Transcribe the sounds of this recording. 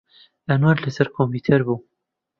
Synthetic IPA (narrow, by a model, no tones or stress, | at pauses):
ʔɐnwaɾlɐsɐɾkʰompit̪ʰɐɾbu